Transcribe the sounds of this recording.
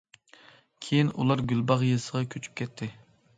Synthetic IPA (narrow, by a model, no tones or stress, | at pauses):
kʲʰejinṵlˠɑɾɡʲylbɑʁjesəʁɑkʲʰøt͡ʃʰy̥p̚kʲʰɛt̪ʰːɪ